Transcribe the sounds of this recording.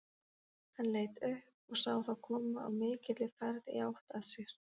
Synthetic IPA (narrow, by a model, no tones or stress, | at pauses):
hanleːjt̪ʏhp̚ɔɣsaːwθawkʰɔːmaa̰wmɪːcɪt̪lɪfɛɾðɪawht̪aðsjɛɾ̥